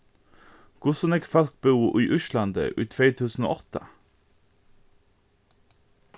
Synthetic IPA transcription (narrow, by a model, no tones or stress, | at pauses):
ɡ̥ʊsɔnɛɡfɑlk̚bʉːʔiːʔʉʃlɑnd̪ə̰ʔyːt̪ʰʋeːt̪ʰʉːsn̩o̰ːʔɔt̪ə